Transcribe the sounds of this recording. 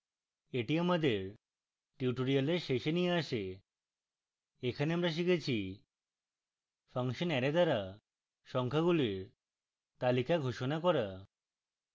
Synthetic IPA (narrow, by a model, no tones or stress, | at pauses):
eʈiamad̪eɾ | ʈiuʈoɾialeɾʃeʃenijeaʃe | ekʰaneamɾaʃ̬ikʰet͡ɕʰi | fʰaŋʃonɛɾed̪aɾa | ʃɔŋkʰaɡuliɾ | t̪alikaɡʱoʃonakɔɾa